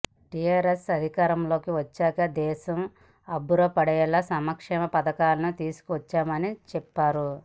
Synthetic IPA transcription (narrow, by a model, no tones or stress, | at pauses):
ʈijaːɾesɐd̪ʱikaːɾɐmlo̞ːkiʋɐt͡ʃːaːkɐd̪ɛːʃɐm | ɐbuɾɐpɐɽɐjɐlɐsɐmɐkʂɛːmɐpɐd̪ɐkaːlɐnut̪iːsu̥kuʋɐt͡ʃːaːmɐnit͡ʃɛpːaːɾu